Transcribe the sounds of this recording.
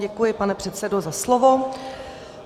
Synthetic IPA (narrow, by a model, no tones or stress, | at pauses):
ɟɛkujɪpanɛpr̝̥ɛt̪sɛdozaslovo̞